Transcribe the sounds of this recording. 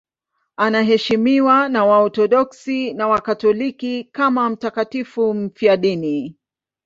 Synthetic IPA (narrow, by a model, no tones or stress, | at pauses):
anaɦɛʃimiwanawaɔtɔɗɔksinawakatɔlikikamam̩takatifum̩fiaɗini